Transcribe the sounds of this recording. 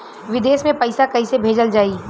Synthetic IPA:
ʋɪd̪eːsmẽpɐɪsakɐɦisebʱeːd͡ʒəld͡ʒaːi

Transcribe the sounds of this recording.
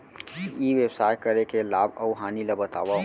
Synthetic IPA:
iʋebsaːjkəɾekelaːbəʊɦaːnilɐbət̪a̰ːʋa

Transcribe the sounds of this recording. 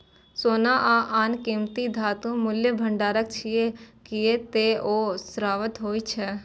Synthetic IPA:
soːnaʔaʔaːnkĩmt̪id̪ʱaːt̪ũmʊljəbʱə̃ɳɖaːɾək̚t͡ʃʰiekiet̪eoːsɾaːʋət̪ɦoːit͡ʃʰɛ

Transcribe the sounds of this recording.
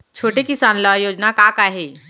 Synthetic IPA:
t͡ʃʰoːʈekɪsaːnlɔjoːd͡ʒnakaːkaɦeː

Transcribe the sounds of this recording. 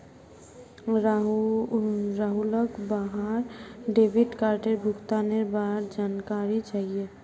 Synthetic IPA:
ɾaɦuləkbaɦaɾɖeːbiɖkaːɾʈeɾbʱʊkt̪aneɾbaɦɾd͡ʒaːnkaɾit͡ʃaɦie

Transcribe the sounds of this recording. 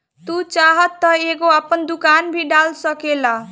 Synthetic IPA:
t̪ut͡saɦʌt̪ːʌeɡoapʌnd̪ukanbʱiɖalsʌkela

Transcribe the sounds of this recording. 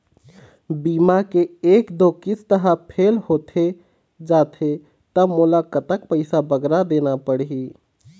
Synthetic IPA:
bimakeekd̪okit͡ʃʰt̪əɦə̃pʰelhot̪ʰe | d͡ʒat̪ʰe | t̪əmulakət̪əkpəɪsabəɡɾad̪enapəɽɦi

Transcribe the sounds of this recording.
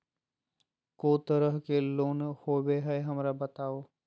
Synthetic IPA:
koːt̪əɾəɦkeloːnhoːbeɦɛeɦɐmɾabət̪aːoː

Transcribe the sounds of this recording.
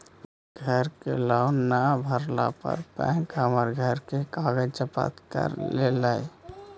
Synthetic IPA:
ɡʱəɾkelaʊnːabʱəɾla̰pə̰ɾpɛ̰̃ŋkɦəməɾɡʱəɾkekaɡəd͡ʒt͡ʃəpa̰t̪kə̰ɾlelaj

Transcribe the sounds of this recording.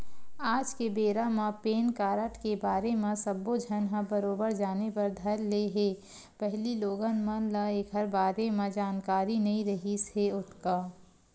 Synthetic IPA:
aːd͡ʒkebeːɾamãpeːnkaːɾəʈkebaːɾemẽsɐbːod͡ʒʱɐnɦãbɐɾoːbəɾd͡ʒaːnepɐɾd̪ʱɐɾleɦeː | pɛɦliloːɡənmə̃lãeːkɦɐɾbaːɾemẽd͡ʒaːnkaːɾinɐɦĩɾɐɦiseʊt̪kaː

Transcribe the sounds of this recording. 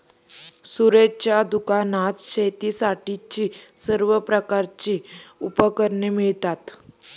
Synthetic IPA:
suɾed͡ʑt͡ɕjad̪ukanat̪ɕet̪iːsaʈit͡ɕiːsəɾʋəpɾəkaɾt͡ɕiːupəkəɾɳemiɭt̪at̪

